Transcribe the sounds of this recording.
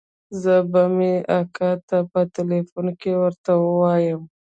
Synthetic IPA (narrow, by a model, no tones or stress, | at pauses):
zəbameakɑt̪apət̪elefunkewəɾt̪awəwɑjəm